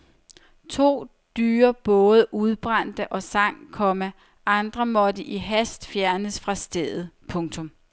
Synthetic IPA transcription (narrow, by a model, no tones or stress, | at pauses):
t͡sʰo̝̰ː | d̥yːɐb̥ɔ̽ːð̞ˠəʔuð̞ˠb̥ʁɑn̰d̥əʔɒ̽sɑ̈ŋ̰kʰɒ̽mə | ʔɑ̈nd̥ʁɐmɒ̽dəʔiɦæsd̥fjæɐnəsfʁɑ̈sd̥eðˠð̩ˠpʰɔ̽ŋt͡sʰɔ̽m